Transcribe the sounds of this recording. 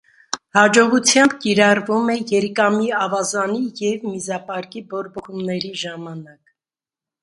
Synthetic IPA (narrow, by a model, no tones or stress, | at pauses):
hɑd͡ʒɔʁut͡sʰjɑmbkiɾɑrvumɛjɛɾkɑmiɑvɑzɑnijɛvmizɑpɑɾkibɔɾbɔχumnɛɾiʒɑmɑnɑk